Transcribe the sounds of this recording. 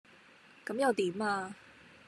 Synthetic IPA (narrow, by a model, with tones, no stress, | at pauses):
kɐ˨˧˦mjɐ˨wt̪i˨˥maː˧